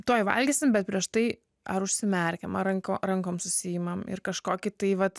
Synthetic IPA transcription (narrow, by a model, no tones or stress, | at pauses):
t̪oːjʋɐ̰lʲɡʲisʲɪmbʲɛt̪pʲɾʲiɛʃt̪ɐɪ | ɐɾʊʃʲsʲɪmʲɛɾʲkʲɛmɐrɐŋkoɾɐŋkoːmsʊsʲɪjɪmɐmɪ̰rkɐʃkoːkʲɪt̪ɐɪʋɐt̪